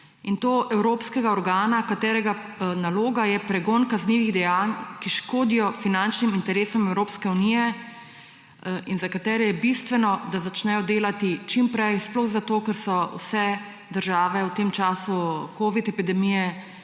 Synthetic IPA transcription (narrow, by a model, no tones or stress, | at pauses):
int̪oːʔɛwɾoːpskɛɡaɔɾɡaːnakat̪ɛːɾɛɡa | naloːɡajɛpɾɛɡonkazniːʋiɣd̪ɛjaːnkiʃkoːd̪ijɔfinant͡ʃnimint̪ɛɾeːsɔmɛwɾoːpskɛunijɛ | inzakat̪ɛːɾɛjɛbist̪ʋɛnɔd̪azat͡ʃnɛjɔd̪eːlat̪it͡ʃimpɾɛjsplɔɣzat̪oːkɛɾsɔw̰sɛ | d̪əɾʒaːʋɛwt̪emt͡ʃaːsukoːʋit̪ɛpid̪ɛmijɛ